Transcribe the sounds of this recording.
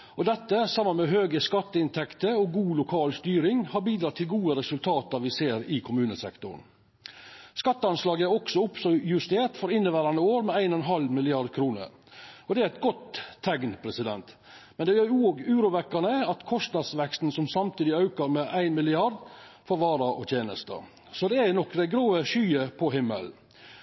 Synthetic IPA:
ɔd̪ɛt̪ːəsɑmənmɛɦøːɡəskɑt̪ːəɪnt̪ʰɛkt̪əɔɡuːlʊkʰɑːlst̪yːɾɪŋhɑɾbiːd̪ɾɑːt̪ʰːɪlɡuːəɾɛsʉlt̪ʰɑːt̪ɑɾʋɪseːɾɪkʰʊmʉːnəsɛ̰kt̪ʊ̰ɾɳ | skɑt̪ːəɑnslɑːɡəæɾɔksɔʊpsɔjʉst̪eːɾʈ̪fɔɾɪnːəʋæːɾɑnəoːɾmɛæɪnɔɛnɦɑlmɪlɪɑɾd̪kʰɾuːnə̰ɾ | ɔd̪ɛæɾæɪt̪ɡɔt̪ʰːɛɡnpʰɾɛsɪd̪ɛnt̪ | mɛnd̪ɛjøːɾoːɡʉːɾʊʋɛkːɑɳəɑt̪kʰɔst̪nɑd̪sʋɛkst̪n̩sɔmsɑmt̪ʰiːd̪ɪɑʉkɑɾmɛʔæɪnmɪlɪɑɾd̪fɔɾʋɑːɾɑʔɔ̰t̪jeːnəst̪ə̰ | sɔd̪ɛænɔkːd̪æɪɡɾoːəʃyːəpʰɔɦɪmːə̰l

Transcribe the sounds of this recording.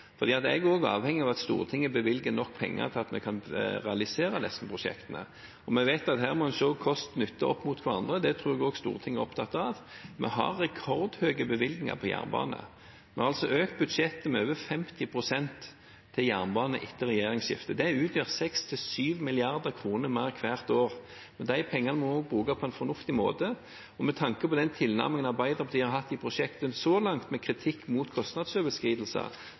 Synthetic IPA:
fɔʁd̪iːɑt̪ɛɡoːɡɑ̰ːʋhɛŋːɪɑʋɑt̪st̪ṵːʁət̪ʰɪŋːəbəʋɪlɡənɔkːpʰɛ̰ŋːə̰t̪ʰɪlɑt̪mɛkʰɑnʁɛɑlɪseːɾəd̪ɛsən̩pʰʁʊʂɛ̰kt̪ənə̰ | ɔmɛʋæɪt̪ɑt̪ɦæːʁmɔɛnʃoːkʰɔst̪nʏt̪ʰːəʔɔpːmuːt̪kʰʋɑʁɑnd̪ʁəd̪ɛt̪ʰɾuːʁɛɡoːɡst̪ṵːʁət̪ʰɪŋːəɔpt̪ʰɑt̪ːɑʋmɛ̰ɦɑ̰ɾːɛkʰɔʁd̪høːɡəbəʋɪlɡ̪nɪŋɑ̰pʰɔjæ̰ʁnbɑ̰ːnə̰ | mɛɑʁɑlsɔʔøːk̚t̪̚bʉd̪ʂɛt̪ːəmɛøːʋəfɛmt̪ʰɪpʰʁʊsɛnt̪ʰː | ɪljæːʁnbɑːnəʔɪt̪ːəʁɛjeːɾɪŋsɕɪ̰ft̪əd̪ɛʉːt̪ʰjøːʁsɛkst̪ʰɪlsyːʋmɪlɪɑʁd̪əkʰɾuːnəɾmæʁkʰʋæːʁt̪oːʁ | mɛnd̪æɪpʰɛŋːɑnəmɔnoːɡ̚bɾʉːkɑpʰɔɛnfɔʁnʊft̪ɪmoːt̪ə | ɔmɛt̪ʰɑŋkəpɔd̪ɛnt̪ʰɪlnæ̰ʁmɪŋənɑbæɪd̪ɔpɔt̪ʰiːhɑɾɦɑt̪ːɪpʰʁʊʂɛkt̪ənsɔlɑŋt̪mɛkʰɾɪt̪ʰɪkːmuːt̪kʰɔst̪nɑd̪sœbəskiːd̪lsə̰

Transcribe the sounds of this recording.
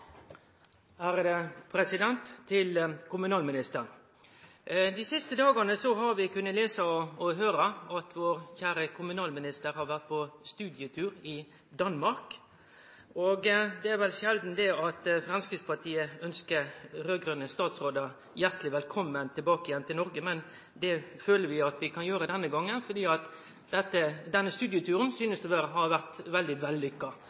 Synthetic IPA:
æːɾd̪ɛpʰɾɛsɪd̪ɛnt̪ʰːɪlkʊmʉnɑːlmɪnɪst̪əɾ | d̪isɪst̪əd̪ɑːɡənəsɔɦɑɾʋɪkʉnːət̪leːsəɔɔɦøːɾəɑt̪ʰʋoːɾçæːɾəkʰʊmʉnɑːlmɪnɪst̪əɾhɑɾʋæʁt̪̚pʰɔst̪ʉːd̪ɪət̪ʰʉːɾɪ | d̪ɑnmɑɾk | oːɡd̪ɛæɾʋɛlʃɛld̪n̩d̪ɛɑt̪fɾɑnskʁɪspʰɑt̪ʰiːəœnskəɾɾøːɡɾʉnːəst̪ɑːt̪sʁoːd̪ɑ | jæʁt̪lɪʋɛlkʰɔmːənt̪ʰɪlbɑːkəjɛnt̪ʰɪlnɔɾɡəmɛn | d̪ɛføːləɾʋɪɑt̪ʋɪkʰɑnjøːɾəd̪ɛnːəɡɑŋːənfɔd̪iːɑt̪ | ɛt̪ːəd̪ɛnːəst̪ʉːd̪jɪət̪ʰʉːʁənsyːnəst̪ɛʋæːɾəɦɑɾʋæʁt̪ʋɛld̪ɪʋɛlːʏkːɑ

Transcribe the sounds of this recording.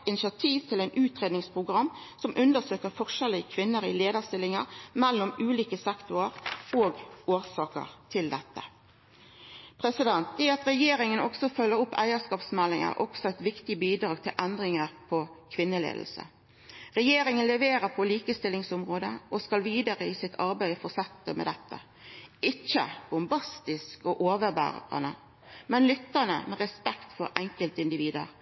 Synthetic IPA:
ɪnɪsɪɑt̪ʰiːʋt̪ʰɪlɛɪnʉːt̪ʁeːd̪nɪŋspʰʁʊɡʁɑmːsɔmʔʉnd̪əsøːkəʁfɔʁʂɛləkʰʋɪnːəɾɪleːd̪əʁst̪ɪlɪŋəɾmɛlːɔmʉːliːkəsɛkt̪ʊəɾoːɡoːʁsɑːkə̰ʁt̪ʰɪld̪ɛt̪ːə̰ | pʰɾɛsɪd̪ɛnt̪̚iɑt̪ɾɛjeːɾɪŋənɔ̰ɡsɔfœlːəɾʊpːæ̰ɪəskɑːpsmɛlːɪŋə̰ɾʔɔ̰ɡ̥sɔɛt̪ʋɪkt̪ɪbiːd̪ʁɑːɡ̚t̪ʰɪlʔɛnd̪ʁɪŋəʁpʰɔkʰʋɪnːəlḛːd̪l̩sə̰ | ʁɛjeːɾɪŋənlɛʋeːɾəpʰɔliːkəst̪ɪlːɪŋsʊmʁoːd̪əʔoskɑlʋiːd̪əɾəɪsɪt̪ʰɑɾbæɪfɔsɛt̪ːəmɛ̰d̪ɛt̪ːə̰ | ɪt͡ʃːə̰b̥ʊmbɑst̪ɪskoːʔoːʋəbæ̰ːʁə̰nə̰ | mɛnlʏt̪ːəʁnə̰mɛʁɛspɛkt̪fɔɾɛŋkəlt̪ɪnd̪ɪʋiːd̪ə̰ɾ

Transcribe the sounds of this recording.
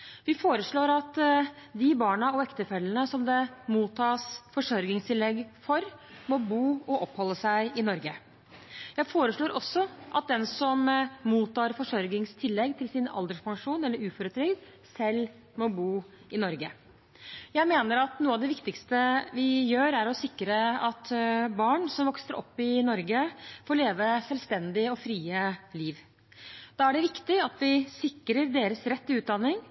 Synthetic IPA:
ʋɪfoːɾəʂɭoːɾɑt̪d̪ɪbɑːɳɑɔɛkt̪əfɛlːənəsɔmd̪ɛmuːt̪ʰːɑːsfɔʂɔɾɡɪŋst̪ʰɪlːɛɡfɔɾmɔbuːɔʔɔphɔlːəsæɪɪnɔɾɡə | jæɪfoːɾəʂɭoːɾʔɔsːɔʔɑt̪̚d̪ɛnsɔmmuːt̪ːɑːɾfɔʂɔɾɡɪŋst̪ʰɪlːɛɡːt̪ʰɪlsɪnɑ̰ld̪əʂpʰɑŋʂuːnɛlːəɾʉːfɔɾət̪ʰɾʏɡd̪ | sɛlː | mɔbuː | ɪnɔɾɡə | jæɪmeːnəɾɑt̪nuːəɑʋd̪ɛʋɪkt̪ɪkst̪əʋɪjøːɾæɾɔsɪkːɾəɑt̪bɑːɳsɔmʋɔksəɾʔɔ̰pːɪnɔɾɡəfoːɭeːʋəsɛlst̪ɛnd̪ɪɔfɾiːəliːʋ | d̪̥ɑːæɖɛʋɪkt̪ɪɑt̪ʋɪsɪkːɾəɾd̪eːɾəsɾɛt̪ːʉːt̪̚d̪ɑnːɪŋ

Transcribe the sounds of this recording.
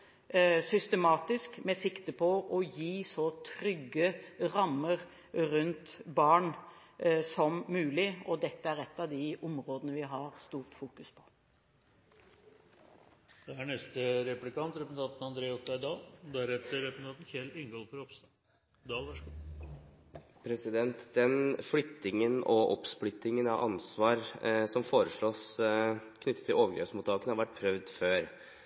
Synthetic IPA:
sʏst̪əmɑːt̪ɪskmɛsɪkt̪əpʰɔʔɔjiːsɔt̪ʰɾʏɡːəɾɑmːəɾ | ɾʉnt̪bɑːɳ | sɔmːʉːlɪɔd̪ɛt̪ːəæɾɛt̪ːɑʋd̪ɪʊmɾoːd̪ənəʋɪɦɑɾst̪uːɾt̪fuːkʉspʰɔ̥ | d̪̥ɛæɳɛst̪əɾɛplɪkɑnt̪ɾɛpn̩t̪ʰɑːt̪n̩ɑnd̪ɾeːɔt̪æd̪ɑːld̪æɾɛt̪ːəɾɾɛpst̪ʰɑt̪n̩çɛlɪŋɡɔlfɔɾɔpst̪ɑ | d̪ɑːlʋæʂɡu | pʰɾɛsɪd̪ɛnt̪d̪ɛnflʏt̪ːɪŋənɔʔɔ̰psplʏt̪ːɪŋənɑʔɑ̰nsʋɑːɾsɔmfoːɾəʂɭoːs | kʰnʏt̪ːət̪ʰːɪloːʋəɡɾɛ̰ːpsmuːt̪ʰːɑːkənəhɑɾʋæʈ̚ːpʰɾœʋd̪føːɾ

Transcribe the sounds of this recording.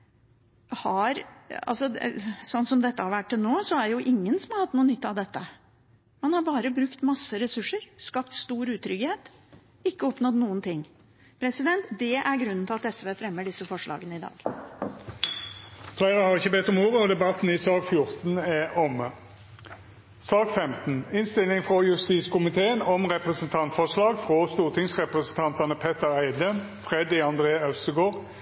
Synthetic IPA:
hɑɾɑ̰lsɔd̪sɔnːsɔmd̪ɛt̪ːəhɑɾʋæʈːɪlnoːsɔæjʊʔɪŋːənsɔmhɑɾhɑt̪ːnuːnʏt̪ːɑʋd̪ɛt̪ːə | mɑnhɑɾbɑːɾəbɾʉkt̪mɑsːəɾɛsʉʂːəɾskɑpt̪st̪uːɾʉːt̪ʰɾʏɡheːt̪ | ɪkːəɔpnɔd̪nuːənt̪ʰɪŋː | pʰɾɛsɪd̪ɛnt̪d̪ɛʔæɾɡɾʉnːənt̪ʰɪlɑt̪ɛsʋeːfɾɛmːəɖɪsːəfɔʂɭʔɑ̰ːɡənəɪd̪ɑ̰ːɡ̥ | flæɪʁəhɑːʁɪçːəbɛt̪ːɔmoːʁəɔd̪ɛbɑt̪n̩ɪsɑːkfjʊʁt̪n̩ɛʔɔmə | sɑːkfɛmt̪n̩ɪnst̪ɪlɪŋfʁɔjʉst̪iːtskʊmɪt̪ʰeːənɔmʁɛpʁəsənt̪ʰɑnt̪fɔʂlɑːɡfʁɔst̪uːʁt̪ʰɪŋsʁɛpʁəsənt̪ʰɑnt̪ɑnəpʰɛt̪əʁæɪd̪ə | fʁɛd̪ɪɑnd̪ʁeːœsəɡoːʁ

